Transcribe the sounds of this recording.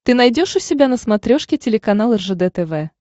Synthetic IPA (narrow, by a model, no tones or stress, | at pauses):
t̪ɨnɐjdʲo̞ʂʊsʲɪbʲanəsmɐt̪ɾʲo̞ʂkʲɪtʲɪlʲɪkɐn̪alˠɛrʐəd̪ɛt̪ɛvɛ